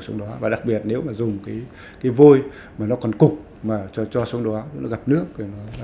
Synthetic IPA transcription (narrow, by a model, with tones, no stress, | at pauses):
sə˨˧˦ŋ͡mɗɔ˨˦vaː˨˩ɗa˨˩k̚ɓi˨˩ət̚ne˨˦wmaː˨˩zʊ˨˩ŋ͡mkaː˨˦j | kaː˨˦jvo˧j | maː˨˩nɔ˨˦kɔ˨˩nkʊ˨˩k͡p̚ | maː˨˩t͡ɕɔ˧t͡ɕɔ˧sə˨˦ŋ͡mɗɔ˨˦˨nɔ̰˨˦ɣa˨˩p̚nɨ˦˥ək̪̚i˨˩nɔ˨˦